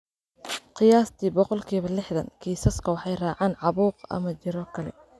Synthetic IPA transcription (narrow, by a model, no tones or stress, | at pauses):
qɪjaːst̪ʰiːbɔqɔlkʰiːβɐlɪħðɐ̰nkʰiːsɐskʰɐwɑħɑjraːʕɑːnʕɑβuːqɐ̰mɐt͡ʃɪɾɔkʰɐlɛ̰